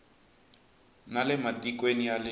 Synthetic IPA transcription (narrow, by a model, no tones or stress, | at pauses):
nalɛmatʼikʼwenijalɪ